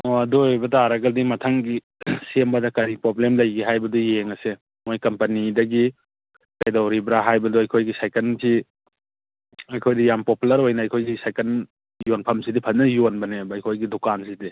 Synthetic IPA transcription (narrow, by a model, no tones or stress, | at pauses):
oɐdojbɐtaaɾɐɡɐdimɐtʰɐŋɡi | sembɐdɐkɐɾipɾoblemlɐjɡiɦajbɐdujeŋɐse | mojkɐmpɐnidɐɡi | kɐjdawɾibɾaɦajbɐduɐjkʰojɡisajkɐnsi | ɐjkʰojdijampopulɐɾojnɐːjkʰojɡisajkɐn | jonpʰɐmsidipʰɐnnɐjonbɐnebɐːjkʰojɡidokansidi